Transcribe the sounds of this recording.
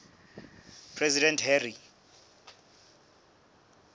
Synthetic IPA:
pʰrɛzidɛnthɛri

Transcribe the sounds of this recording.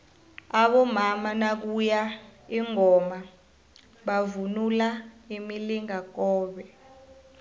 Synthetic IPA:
aɓɔmamanak̬ujaiŋɔma | ɓavunulaimiliŋak̬ɔːɓɛ

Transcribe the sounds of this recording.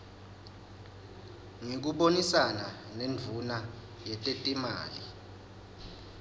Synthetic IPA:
ŋik̬uɓonisana | nend͡vʱuna | jɛtʼetʼima̰ːli

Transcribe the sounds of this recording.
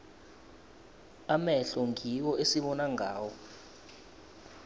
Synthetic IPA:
amɛɬɔŋʱiwɔʔesiɓɔnaŋaːwɔ

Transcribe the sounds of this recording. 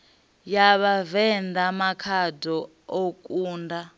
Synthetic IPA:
jaβavɛndʱamakʰadʱɔ | okʼuːnda

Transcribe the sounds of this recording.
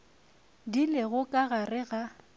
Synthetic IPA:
dilɪɣʊkʼaɣarɪɣa

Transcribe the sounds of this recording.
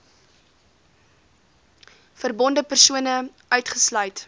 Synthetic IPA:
fərbɔndəpərsuənə | œɥtχəslœɥt

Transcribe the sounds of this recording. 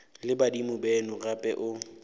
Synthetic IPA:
lɪbadimʊbɛnʊrapʼɛ̰ʔʊ

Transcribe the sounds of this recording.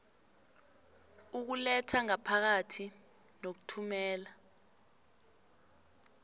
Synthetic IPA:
uk̬ulɛtʰaŋapʰak̬atʰi | nok̬u̥tʰumɛːla

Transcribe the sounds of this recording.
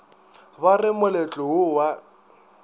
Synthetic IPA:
barɪmʊlet͡ɬʼɔʊwa

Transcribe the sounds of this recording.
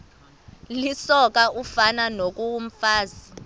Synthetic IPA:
lisɔk̬ʼaufananok̬ʼum̩faːzi

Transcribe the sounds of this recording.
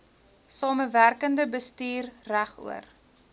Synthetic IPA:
sɑːməværkəndəbəstyːrræχṵə̰r

